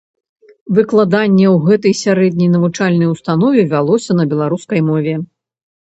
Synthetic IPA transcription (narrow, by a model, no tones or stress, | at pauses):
vɨklˠad̪anʲːɛwɣɛt̪ɐjsʲaɾɛd̪ʲnʲɐjnɐvut͡ʂalʲnɐjust̪an̪ɔvʲɛvʲalˠɔsʲɐnɐbʲɛlˠaɾuskɐjmɔvʲɛ